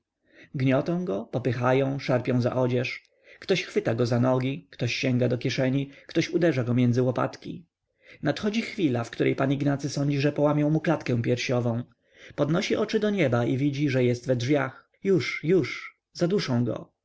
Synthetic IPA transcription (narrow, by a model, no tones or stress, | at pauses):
ɡɲɔt̪ɔ̃w̃ɡɔpɔpɘxajɔ̃w̃ʂaɾpʲjɔ̃w̃za̰ʔɔd͡ʑɛʂ | kt̪ɔɕxfɘt̪aɡɔzanɔɡʲikt̪ɔɕːɛŋɡad̪ɔkʲjɛʂɛɲikt̪ɔɕud̪ɛʐaɡɔmʲjɛnd̪zɘwɔpa̰t̪kʲḭ | nat̪xɔd͡ʑixfʲilafkt̪uɾɛ̰jpaniɡnat̪sɘsɔɲd͡ʑiʐɛpɔwamʲjɔ̃w̃muklat̪kɛ̃w̃pʲjɛɾɕɔvɔ̃w̃ | pɔd̪nɔɕiʔɔt͡ʂɘd̪ɔɲɛbaivʲid͡ʑiʐɛjɛst̪vɛdʐvʲjax | juʂjuʂ | zad̪uʂɔ̃w̃ɡɔ̰